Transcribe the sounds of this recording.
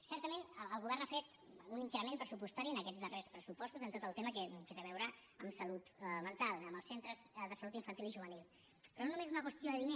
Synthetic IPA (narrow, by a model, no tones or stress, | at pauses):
sɛɾt̪əmenəlˠɣuβ̞ɛɾrnafet̪ | uniŋkɾəmẽnpɾəsupust̪aɾiənəkɛd͡zðərespɾəsupɔst̪uzənt̪ot̪əlˠt̪eməkəkət̪əβɛwɾə | əmsəlut̪mənt̪alˠəməlˠsent̪ɾəzðəsəlut̪iɱfənt̪iliʒuβ̞ənilˠ | pɾɔnonumezunəkwəst̪ioðəðine